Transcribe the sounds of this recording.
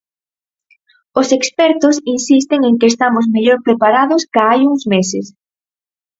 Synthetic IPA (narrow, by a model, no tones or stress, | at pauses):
ʊsekspɛɾt̪ʊsinsist̪eŋeŋkɪeːst̪amʊzmeʎoɾpɾepaɾaðʊskaajuŋzmesɪs